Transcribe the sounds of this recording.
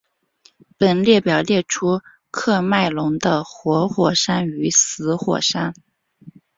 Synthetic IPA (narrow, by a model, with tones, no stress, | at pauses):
pə˨˩nljɛ˥˩pjɑ˨˩ʊljɛ˥˩ʈ͡ʂʰu˥ | kʰɤ˥˧ma˥˩ɪlʊ˧˥ŋd̪ə˧xwɔ˧˥xwɔ˨˩ʂa˥ny˧˥sɹ̩˧˥xwɔ̰˨˩ʂa˥n